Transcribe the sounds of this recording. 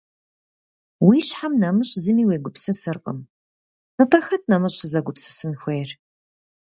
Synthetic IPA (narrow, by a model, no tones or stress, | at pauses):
wiːɕħamnɐmɨɕzɨmiːweːɡʷʊpsɐsɐrqʼə̰m | nɨtʰʼɐxɐt̚ʰnɐmɐɕzɐɡʷʊpsɐ̥sɨnxʷeːr